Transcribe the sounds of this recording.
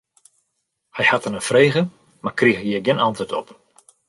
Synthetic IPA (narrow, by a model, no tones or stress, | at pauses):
hɛjhatənənfreːɣə | makriəxhiəɡɪnʔantətɔp